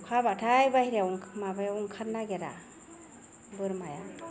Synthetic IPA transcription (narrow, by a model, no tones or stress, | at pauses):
kʰabatʰajbahiɾjauŋmabajaɔŋkʰatnːaɡɛɾa̰ | bɯɾmajan